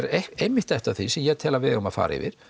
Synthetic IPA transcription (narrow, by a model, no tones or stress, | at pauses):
ɾeejmɪht̪ɛjht̪aθisɛmjɛt̪ʰɛːlavɛːðɣumaðfa̰ːɾʔaɪ̰vɪ̰ɾ̥